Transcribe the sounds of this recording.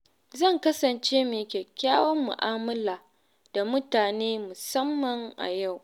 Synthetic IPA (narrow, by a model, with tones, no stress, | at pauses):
zɐ˦˨ŋkɐ˦sɐ˨nt͡ʃeː˦meː˨kʲeː˨kʲaː˦wɔ˦mːʊ̰˨ʔaː˦mʊ˦laː˨ | d̥a˨mʊ˦taː˨neː˦mʊ˨sɐ˦mːɐ˨ŋʔa̰˨ja˦˨w